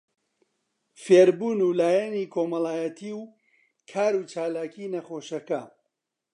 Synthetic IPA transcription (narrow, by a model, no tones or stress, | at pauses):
feːɾbuːnuːlaːjɛniːkʰoːmɐlaːjɐt̪ʰiːw | kʰaːɾuːt͡ʃaːlaːkʰiːnɐχoːʃɐkɐ